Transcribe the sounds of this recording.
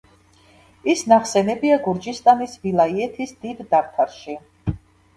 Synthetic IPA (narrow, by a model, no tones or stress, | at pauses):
isnaχsɛnɛbiaɡuɾd͡ʒist̪ʼanisvilˠaiɛt̪ʰisd̪id̪d̪aɾt̪ʰaɾʃi